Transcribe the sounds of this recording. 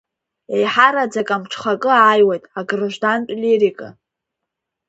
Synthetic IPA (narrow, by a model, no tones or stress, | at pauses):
ejħaɾad͡zakʼamʈ͡ʂʰχakʼɨaːjwejtʼaɡrʒʷᶣdantʼliɾikʼa